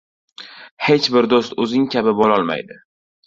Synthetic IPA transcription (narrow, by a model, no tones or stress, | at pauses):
he̞t͡ʃbɪɾd̪ost̪ɵzɪŋkʲʰabɪbɒlɒlˠma̰jd̪ɪ